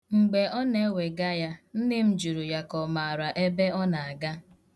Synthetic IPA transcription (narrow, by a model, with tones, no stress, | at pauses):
ŋ͡m̩˨ɡ͡be˨ɔ˦ne˦we˨ɡa˦ja˦n̩˦nɪ˦m̩˦d͡ʒu˨ɾu˨ja˨kɔ˨ma˨a˨ɾa˨ʔe˦be˦ɔ˦na˨a˨ɡa˦